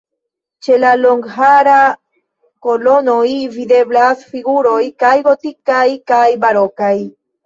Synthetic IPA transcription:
t͡ʃe̞laloŋɡɦaɾa | kolo̞nojvid̪e̞blasfiɡuɾojkajɡo̞t̪ikajkajbaɾokaj

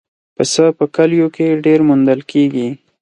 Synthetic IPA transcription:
pəsəpəkaljokeɖeɾmund̪əlkʰeɡi

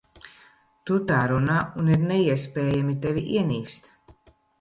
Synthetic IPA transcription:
t̪ut̪aːɾunaːuniɾnɛiɛspʲɛːjamit̪ɛviʔiɛniːst̪

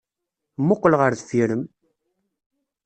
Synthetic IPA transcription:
mːʊqːəlʁəɾθəfiɾəm

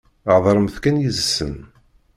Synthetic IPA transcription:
ʕðˤɾˤəmθkænjizəsːə̰n

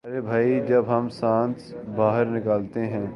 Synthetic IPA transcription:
ɐɾebʱaːid͡ʒɐbɦɐmsãːnsbaːɦəɾnɪkaːlt̪eɦɛ̃ː

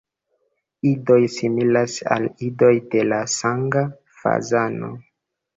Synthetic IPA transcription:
ido̞jsimilasa̰lido̞jdelasaŋɡa | fa̰zano̞̰

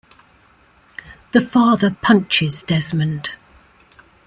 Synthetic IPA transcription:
ðəfɑːðəpʰʌ̃nt͡ʃɪzdɛzmə̃nd̥

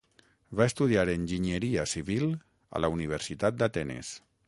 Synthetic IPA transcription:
βaest̪uð̞iaɾenʲʒiɲəɾiasiβil | a̰launiβ̞əɾsit̪at̪̚d̪at̪ɛnḛs

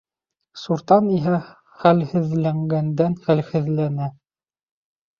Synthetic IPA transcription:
suɾt̪ɑniɦæ | χælhɘ̆ðlæŋɡænd̪ænχælhɘ̆ðlænæ

